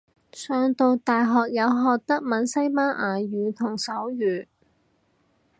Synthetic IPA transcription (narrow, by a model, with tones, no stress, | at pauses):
sœː˧ŋt̪o˨˧wt̪aː˨jɦɔː˨k̚jɐ˨˧wɦɔː˨k̚t̪ɐ˥k̚mɐ˨˥nsɐ˥jmaː˥ʔaː˨˩jyː˨t̪ʰʊ˨˩ŋsɐ˨˥wjyː˨˩